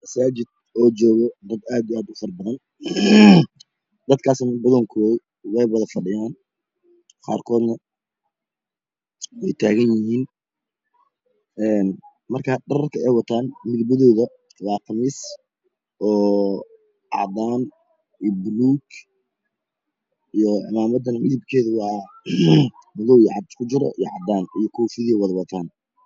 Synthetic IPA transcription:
mɐsaːt͡ʃɪd̪̚ | ɔːd͡ʒɔːɣɔd̪ɐd̪aːd̪iaːd̪ʊfɐrbɐðɐn | d̪ɐd̪kʰaːsnɐbɐðɔŋkʰɔː | wɛjwɐðɐfɐɖɪjaːn | qɑ̰ːrkʰɔːd̪nɐ | wɛjt̪ʰaːɣɐnjɪɦiːn | ɛːn | mɐrkʰɐɖɐɾɐrkʰɐɛjwɑt̪ʰaːnmɪðbɐðɔːðɐ | wɑːqʰɑmiːs | ʔɔː | ʕɑ̰d̪aːn | bluːɡ | ijɔɪmaːmɐd̪ɐnʕɪðɪb̚kʰɛːðʊwɑ | mʊɣɔwʕɑd̪kʰʊt͡ʃɪɾɔ̰ʔḭjʕɑd̪aːnijɔkʰuːfɪðiɛwɑðɐwɑt̪ʰaːn

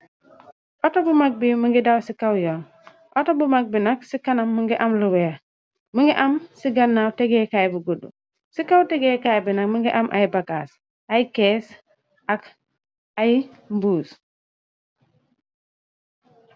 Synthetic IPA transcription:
ɔtobumak̚bimuŋɡidawsikawjɔŋ | ʔɔtobumak̚binaksikanamːuŋɡiʔamluwɛa | muŋɡiʔamsiɡanːawteɡekajbuɡudṵ | sikawteɡekajbinakmuŋɡiʔamʔa̰jbakaːs | ajikeːs | ak | aji | mbuːs

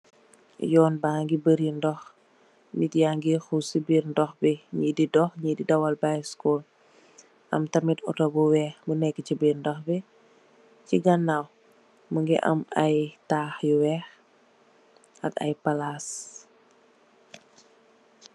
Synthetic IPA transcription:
jɔːnbaːŋɡibəɾindɔx | mitjaŋɡixusibiɾndɔxbiɲididɔxɲididɐwalbajskɔl | ʔɐ̰mtɐmitɔ̰tɔbuwɛːxbənɛkːəcibiɾndɔxbi | ciɡɐnːaw | məŋɡḭʔɐ̰mɐjtaːxjuwɛːx | ʔɐ̰kɐ̰jpalas

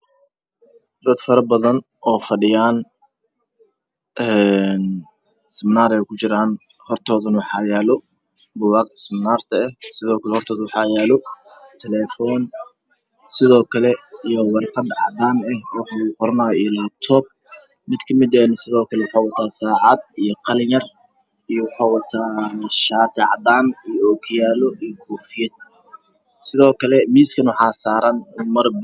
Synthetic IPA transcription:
d̪ɐd̪fɐɾɐbɐðɐn | ʔɔːfɐɖɪjaːn | ʔɛn | sɪmnaːɾɛjkʰʊt͡ʃɪɾaːn | hɔrt̪ʰɔːðɐnwɑħɑjaːlɔ | bʊwɑːq̪ʰɐ̥sɪmnaːrt̪ʰɐɛhsɪðɔːkʰɐlɛhɔrt̪ʰɔːðwɑħɑːjaːlɔt̪ʰɛlɛːfɔːn | sɪðɔːkʰɐlɛijɔwɑrqɑd̪ʕɑ̰d̪aːnɛhwɑħqɔɾɐnaːjɔilat̪ʰɔːb̚ | mɪd̪kʰɐmɪd̪ɛːnsɪðɔːkʰɐlɛwʊħɑːwɐt̪ʰaːsaːʕɑd̪ijɔqɑljɐr | ijɔwɑħɑːwɑt̪ʰaːʃaːt̪ʰɪʕɑ̰d̪aːnijɔɔːkʰjaːlɔʔijɔɡʰuːfɪjɐd̪̚ | sɪðɔːkʰɐlɛmiːskʰɐnwɑħɑːsaːɾɐnʊmɐr

